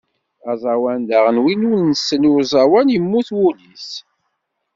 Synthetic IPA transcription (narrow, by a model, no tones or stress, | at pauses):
ɑzˤɑwænd̪æʁənwinunnːəsːənuwzˤɑwænjəmːuθwulis